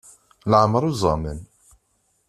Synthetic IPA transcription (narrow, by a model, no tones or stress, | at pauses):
ləʕməɾˤuzˤɑmən